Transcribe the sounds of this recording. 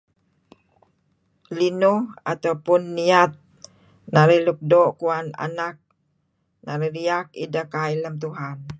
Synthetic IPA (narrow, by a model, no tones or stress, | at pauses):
linʊhat̪awpʊnːiat̪̚ | naɾəhlup̚doʔkuana̰nak̚ | naɾəhliakḭdəkailəmt̪̬uɦan